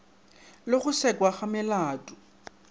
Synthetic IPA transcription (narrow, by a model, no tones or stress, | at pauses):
loχʊsɛkʼwaχamɪlaːtʼʊ̥